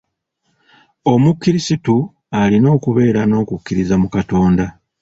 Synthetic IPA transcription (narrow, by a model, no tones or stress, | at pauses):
o̞mukːiɾisitu | alino̞ːkuβe̞ːɾano̞ːkukːiɾizamukato̞ːnda